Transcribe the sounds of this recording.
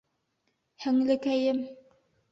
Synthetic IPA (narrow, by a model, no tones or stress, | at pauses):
hɘ̆ŋlɘ̆kæjɘm